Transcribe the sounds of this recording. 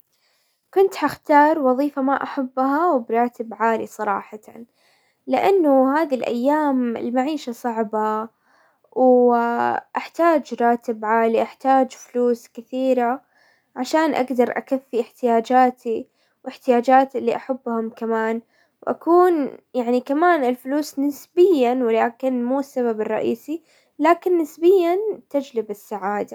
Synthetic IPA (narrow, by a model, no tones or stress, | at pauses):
kʊnt̪ħaxt̪ɑːɾˤwɑðˤiːfamaʔaħabːɦawɪbɾˤɑːt̪ɪbʕaːlisˤɑɾˤɑ̰ːħat̪an | lɪʔanːʊhaːðilʔa̰jːaːmɪ̰lmaʕiːʃasˤɑʕba | w | ʔaħt̪aːd͡ʒɾˤɑːt̪ɪbʕaːliʔaħt̪aːd͡ʒfluːskɪθiːɾa | ʕaʃaːnʔa̰ɡd̪ɑɾˤʔa̰kafːiʔɪħt̪ɪjaːd͡ʒaːt̪ʰi | wɪħt̪ɪjaːd͡ʒaːt̪ʔɪlːiʔaħabːhʊmkamaːn | wʔa̰kuːnjaʕnikamaːnɪlfʊluːsnɪsbɪjːanwɪlaːkɪnmuːsːaβabɪrˤːɑʔiːsi | laːkɪnːɪsbɪjːant̪ad͡ʒlɪbɪsːaʕaːd̪a